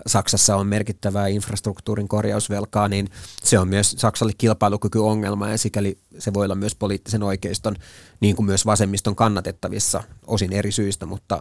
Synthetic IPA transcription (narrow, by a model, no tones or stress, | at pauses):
sɑksɑsːɑommerkit̪ːæʋæːinfrɑst̪rukt̪uːriŋkorjɑ̰usʋelkɑːninseommyøssɑksɑlːekkilpɑilukykyoŋːelmɑjɑsikæliseʋojolːɑmyøspoliːt̪ːiseno̞ikeist̪onniːŋkummyøsʋɑsemːist̪oŋkɑnːɑt̪et̪ːɑʋḭsːɑ̰osineɾisyist̪æmut̪ːɑ̰